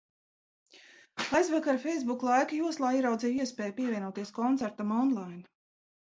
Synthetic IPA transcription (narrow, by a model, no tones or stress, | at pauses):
ajzvakaɾfʲɛjzbuklˠajkajuɔslˠaːiɛɾawd̪ziːjiɛspɛːjpiɛvʲiɛnuɔt̪iɛskɔnt̪sæɾt̪amɔnlˠajn